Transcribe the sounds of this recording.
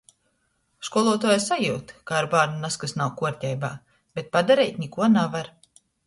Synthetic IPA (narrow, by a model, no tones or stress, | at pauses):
ʃkuɔlˠuɔt̪uɔjasajuːt̪kaːɾbaːɾnunaskasnawkuɔɾt̪ʲɛjba̰ː | b̥et̪̚pad̪aɾɛjt̪ʲnʲikuɔnavaɾ